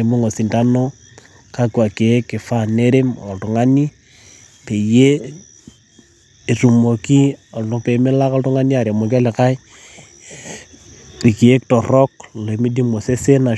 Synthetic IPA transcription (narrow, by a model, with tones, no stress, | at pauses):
e˨mo˦ŋo˨si˨nta˦no˦ | ka˦kwa˨ke˨˦kːɪ˨fa˦ne˦ɾe˦mɔ˨ltu˨ŋa˦ni˦ | pe˨je˦˨ | ru˨mo˨ki˦ɔ˨lu˨pe˨me˦la˦kɔ˦ltu˦ŋa˦ni˦a˨ɾe˨mo˨k̬a˦le˨ka˦j | ri˨ki˨e˦ktɔ˨rɔ˦k̚le˨mi˦di˦mo˨se˦se˦na˨